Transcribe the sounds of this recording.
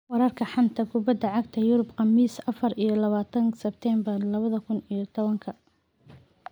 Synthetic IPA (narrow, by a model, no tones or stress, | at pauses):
wɑɾɐrkʰɐħɑnt̪ʰɐkʰʊbɐd̪ːɐʕɑɡt̪ʰɐjʊɾʊbqɑmiːsɐfɐrijɞlɐβaːt̪ʰɐnsɛb̚t̪ʰɛmbɐrlɐβɐðɐkʰʊnijɞt̪ʰɔβɐŋkʰɐ